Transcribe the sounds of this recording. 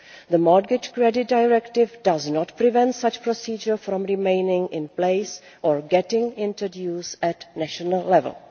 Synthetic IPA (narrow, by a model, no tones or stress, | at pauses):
ðəmaɡɪd͡ʒkɹɛdɪt̚dajɹɛktɪvdaznɔtpɾivɛ̃ntsat͡ʃpɾɔsiːd͡ʒəɹfɾɔ̃mɹɪmẽɪnɪ̃ŋɪ̃npleɪs | ʔɔɹɡɛtɪ̃ŋɪ̃ntɹodjuːsɛtnæʃɔnəlˠːɛvə̰l